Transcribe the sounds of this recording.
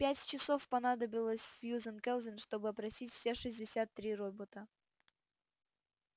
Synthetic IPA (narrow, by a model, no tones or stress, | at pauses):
pʲætʲt͡ɕɪso̞fpɐnad̪əbʲɪlˠəsʲsjuzənkɛlˠvʲɪnʂt̪o̞bɨɐpɾɐsʲitʲfsʲeʂɨzʲdʲɪsʲat̪ːɾʲirobot̪ə